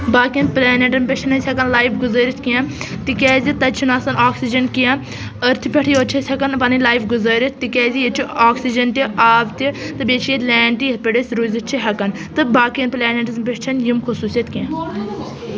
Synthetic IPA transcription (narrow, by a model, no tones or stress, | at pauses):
baːkijɐnplʲɛːneʈɐmpʲet͡ʃʰɐnɐsʲhɐkɐnlaːjfɡuzəːɾit̪ʰkĩãt̪ikʲɛːzʲit̪ɐt͡ʃʰinaːsɐnaːksid͡ʒɐnkijã | əɾt̪ʰipʲeʈʰijoːt͡ʃʰesʲɐkɐnpɐnilaːjfɡuzɐːɾʲit̪ʰt̪ikʲɛːzijet͡ʃʰiaːksid͡ʒɐnt̪iaːbt̪ʲit̪ɨbʲet͡ʃʰielɛːɳʈijet̪̚ʰpʲeɖesʲɾuːzʲit͡ʃʰiɦɐkɐn | t̪ɨbaːkiɐnplɛːneʈizmpʲeʈt͡ʃʰɐnjimkʰusuːsʲjɐt̪ʰʲkĩã